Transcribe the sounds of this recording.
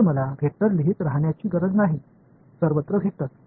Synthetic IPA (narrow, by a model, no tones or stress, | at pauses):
məlaʋʱeʈəɾliɦit̪ɾaɦɳjat͡ɕiːɡəɾəd͡znaɦi | səɾʋət̪ɾəɡʱet̪at̪̚